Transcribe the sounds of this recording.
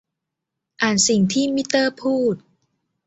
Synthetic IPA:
ʔaː˨˩nsi˨˩ŋt̪ʰiː˥˩mi˦˥t̪ːɤː˥˩pʰuː˥˩t̪̚

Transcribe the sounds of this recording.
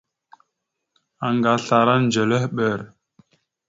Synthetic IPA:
a˨ŋɡa˨ɬa˨ɾa˦nd͡ʒə˨lə˦hɓə˦˨ɾ

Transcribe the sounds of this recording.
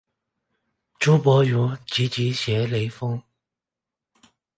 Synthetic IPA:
ʈ͡ʂu˥pwɔ˧˥ju˧˥t͡ɕi˧˥t͡ɕi˧˥ɕjɛ˧˥le˧˥ɪfɤ˥ŋ

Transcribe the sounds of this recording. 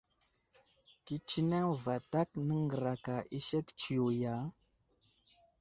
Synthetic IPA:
ki˦t͡ʃi˦na˦ŋva˨ta˦k̚nə˦ŋɡə˨ɾa˨ka˨ʔi˦ʃe˦kt͡ʃi˨jo˨ja˨˦

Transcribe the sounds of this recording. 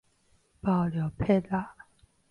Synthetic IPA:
pɑ˥˩ʊljɔ˧˥ʊpʰe˥˧la˥˨

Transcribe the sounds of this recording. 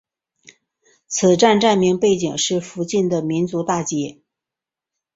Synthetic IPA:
t͡sʰɹ̩˨˩ʈ͡ʂa˥˧nʈ͡ʂa˥˩nmi˧˥ŋpe˥˩ɪt͡ɕi˨˩ŋʂɻ̩˥˩fu˧˥t͡ɕi˥˩nd̪ə˩mi˧˥nt͡su˧˥t̪a˥˩t͡ɕjɛ˧˥

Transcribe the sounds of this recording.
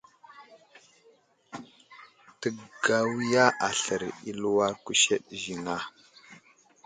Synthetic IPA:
tə˨ɡa˨wi˦ja˦ʔa˨ɬə˨ɾi˦lu˦wa˦ku˦ʃe˦ɗʒi˨na˦

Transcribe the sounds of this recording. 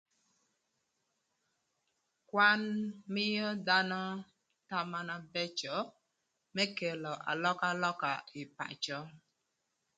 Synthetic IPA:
kwa˦nmɪ˦jɔ˦da˦nɔ˦ | ta˦ma˦na˦bɛ˦t͡ʃɔ˨˦ | mɛ˦ke˨lɔ˨ʔa̰˨lɔ˦ka˦lɔ˦ka˨ɪ˨pa̰˨t͡ʃɔ˦

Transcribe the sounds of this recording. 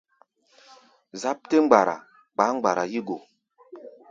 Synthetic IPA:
za˦p̚te˦ŋ͡m̩˦ɡ͡ba˨ɾa̰˨ | ɡ͡ba˨˦ŋ͡mɡ͡ba˨ɾa˨ji˦ɡo˨

